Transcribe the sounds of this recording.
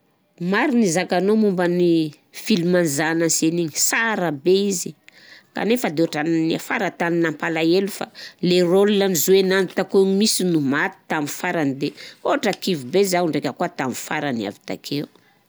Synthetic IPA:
maɾinizakanomumbəni | filimanzananseniɲisaɾəbeizi | ka̰nefad̪eoaʈ͡ʂanniafa̰ɾat̪aninampalaelufa̰lerolunanizuenanit̪akoɲimisinumat̪i̥t̪amifaɾanid̪eoaʈ͡ʂəkivubezauɳɖ͡ʐekʲəkuat̪amifaɾania̰vi̥t̪a̰kʰeu

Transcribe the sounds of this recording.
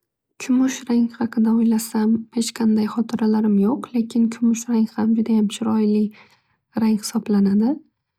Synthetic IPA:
kʲʰʊmʊʃɾaŋhɑqʰɨd̪aojlasamhe̞t͡ʃqʰɑnd̪ajχɒt̪ʰɪɾalaɾɪmjoqle̞kʲʰɪnkʲʰʊmʊʃɾaŋhamd͡ʒʊd̪ajamʃʰɪɾɒjlɪ | ɾaŋχɪ̥sɒblanad̪ɪ

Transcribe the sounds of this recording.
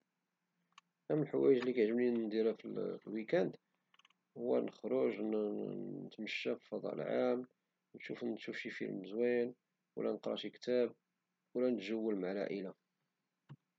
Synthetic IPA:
ʔæməlħwæjəʒlikæʒəmnind̪iɾæfəlflwikænd̪ | hʊwːæ̰nəxɾˤoʒn | ət̪məʃːæfifɑd̪ˤɑ̰ʔə̰lʕam | nʃufnt̪ʃufʃifḭlməzwæn | wə̰læ̰nəqɾˤɑ̰ʃikt̪æb̚ | wlænət̪ʒəwːəlmaʕlæ̰ʔila

